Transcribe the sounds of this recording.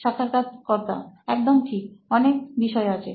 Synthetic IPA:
ʃakʰːaɾkad͡ʑkɔɾt̪a̰ɛk̚d̪omʈʰik̚ɔnek̚biʃɔeat͡ɕʰe

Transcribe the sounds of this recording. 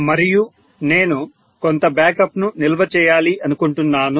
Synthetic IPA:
mɐɾiju | ne̞ːnu | ko̞nt̪ɐbjaːkɐpnunilʋɐt͡ʃɛːjaːliʔɐnukuɳʈunːaːnu

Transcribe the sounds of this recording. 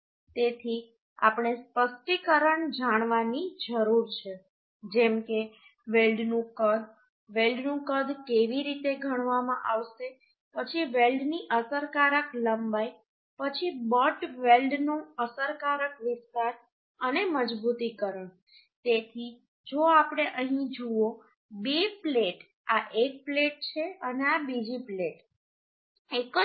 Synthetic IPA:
t̪et̪ʰi | a̰pɳ̃espəsʈ̪ikəɾəɳd͡ʒaɽ̃ʋanid͡ʒəɾuɾt͡ʃʰe | d͡ʒɛmke | ʋelɖnũkəd̪ʱ | ʋelɖnũkəd̪ʱkeʋiɾit̪eɡʱəɽ̃ʋamã̰ʔaʋʃe | pət͡ʃʰiʋelɖniʔəsəɾkaɾəkləmbaj | pət͡ʃʰibɔʈʋelɖnũəsəɾkaɾəkʋɪst̪aɾ | əneməd͡ʒbut̪ikəɾəɳ | t̪et̪ʰi | d͡ʒoapɽ̃eʔəɦĩd͡ʒuo | bepleʈ | aʔek̚pleʈ̚t͡ʃʰeəneabid͡ʒipleʈ | ekə

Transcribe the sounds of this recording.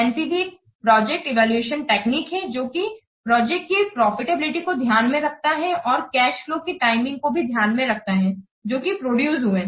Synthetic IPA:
ɛ̃npibi | pɾɔːd͡ʒɛk̚ʈɪʋɛːlueːʃənʈeːkniːkɦɛd͡ʒoːki | pɾɔːd͡ʒɛkʈkipɾɔːfɪʈebɪlɪʈikod̪ʱjaːnmẽɾɐk̚ʰt̪aɦɛʔɔːɾkɛːʃflõkiʈaːɪmɪ̃ŋɡkobʱid̪ʱjaːnmẽɾɐk̚ʰt̪aɦɛ | d͡ʒoːkipɾoːɖjuːzɦuẽː

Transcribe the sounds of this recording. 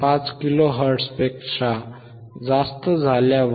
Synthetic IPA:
pãt͡skiloɦəɾʈspekʂa | d͡zast̪əd͡zʱaljaʋ

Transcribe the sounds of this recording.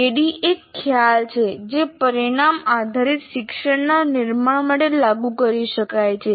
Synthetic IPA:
eɽiekʰːjalt͡ʃʰed͡ʒepəɾiɽ̃amad̪ʱaɾit̪ʃɪkʃəɳnanɪɾmaɳməɽelːaɡukəɾiʃəkajt͡ʃʰe

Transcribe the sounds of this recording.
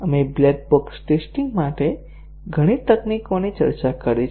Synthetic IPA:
əmeblɛk̚boksʈesʈiŋɡmaʈe | ɡʱəɽ̃it̪əknikonit͡ʃə̰ɾt͡ʃakəɾe

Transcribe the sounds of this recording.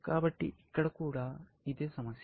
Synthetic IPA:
kaːbɐʈːḭʔikːɐɽɐkuːɽa | id̪eːsɐmɐs

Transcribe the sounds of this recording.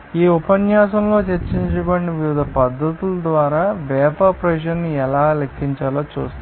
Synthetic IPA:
iːupɐnjaːsɐmlo̞ːt͡ʃeɾt͡ʃiɲt͡ʃɐɡɐɳːiʋiʋid̪ʱɐpɐd̪ʱːɐt̪ulɐd̪ʋaːɾaːʋɛːpaːpɾɐʃ̬ɐnːiɛlaːlɐkʰːiɲt͡ʃaːloːt͡ʃuːst̪

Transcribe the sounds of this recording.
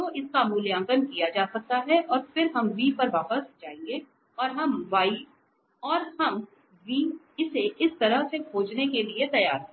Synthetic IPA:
õʔɪskamuljãːŋkənkijad͡ʒaːsɐk̚t̪aɦɛʔɔːɾfɪɾɦɐmʋiːpɐɾʋaːpəsd͡ʒaːẽŋɡe | ɔːɾɦɐmʋaːi | ɔːɾhɐm | ʋiː | ɪseɪst̪ɐɾəɦsekʰoːd͡ʒnekeliet̪ɐjaːɾɦ

